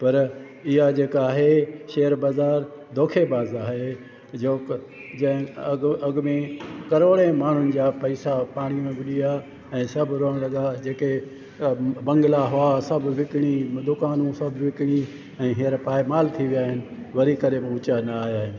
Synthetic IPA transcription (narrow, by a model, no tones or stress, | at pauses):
pɐɾ | ɪɦad͡ʑeːkaːɦeʃeːəɾbaːzaːɾd̪ʱoːkʰebaːzaːɦe | d͡ʑoːk | d͡ʑɐ̃ɦɪ̃ɐɡmẽkɐɾoːɽẽmaːɳ̤ʊnɪ̆d͡ʑaːpɐɪsapaːɽ̃ijũẽbɪɗija | ɛ̃ːsɐbʱɾoːəɽ̃lɐɠad͡ʑeːke | bɐ̃ŋɡɪlaɦʊasɐbʱʋɪkɪɽ̃id̪ʊkaːnũsɐbʱʋɪkɪɽ̃i | ɛ̃ːɦijəɾpaːɪmaːlt̪ʰiʋijaːɦɪnɪ̆ | ʋɐɾikɐɾemẽʊt͡ɕanɐːɦjaːɦɪnɪ̆